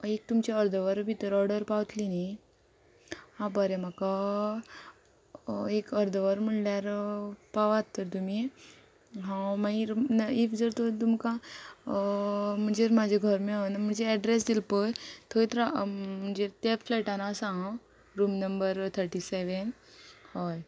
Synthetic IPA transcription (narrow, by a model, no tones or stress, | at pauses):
ek̚t̪umt͡ɕaəɾd̪ʱəʋəɾbʱit̪əɾɔɽəɾpaʋt̪lina | hãbəɾɛmaka | ekəɾd̪ʱəʋəɾm̤əɳljaɾpaʋat̪ːəɾt̪umi | ɦãmaiɾnifd͡zəɾt̪ot̪umka | m̤əɳd͡zeɾmad͡ʑʱeɡʱəɾmeanəm̤əɳd͡zeɛɖɾes̬d̪ilpəjt̪ʰoit̪ɾam̤əɳd͡zet̪efleʈanaːsã | ɾuːmnəmbəɾt̪ʰəɾʈiseʋen | hɔj